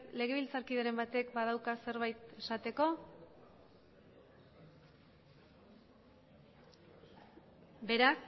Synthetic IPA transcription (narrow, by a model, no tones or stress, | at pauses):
le̞ɣ̞e̞βilt͡saɾkiðaɾe̞mbat̪e̞kbað̞awkase̞ɾβajt̪esat̪e̞ko̞ | be̞ɾak